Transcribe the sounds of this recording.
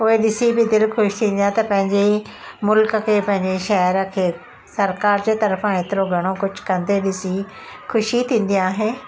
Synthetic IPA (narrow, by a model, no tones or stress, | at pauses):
pʊeɗɪsibɪd̪ɪlxʰʊʃt̪ʰĩːnd̪ijãt̪ɐpɐ̃ɦɪ̃ɲd͡ʑemʊlkə̆kʰeːpɐ̃ɦɪ̃ɲd͡ʑeʃɐɦəɾə̆kʰeː | sɐɾkaːɾd͡ʑeːt̪ɐɾfãeːt̪ɪɾoɡʱɐɽ̃okʊd͡ʑʱʊ̥kɐ̃nd̪eɗɪsi | xʊʃit̪ʰĩːn̆d̪ijãaːɦeː